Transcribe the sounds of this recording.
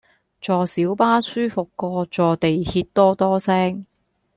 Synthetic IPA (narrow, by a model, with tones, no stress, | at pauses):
t͡sɔː˨siː˨˥wpaː˥syː˥fʊ˨kːɔː˧t͡sɔː˨t̪e˨jt̪ʰiː˧t̚t̪ɔː˥t̪ɔː˥sɛː˥ŋ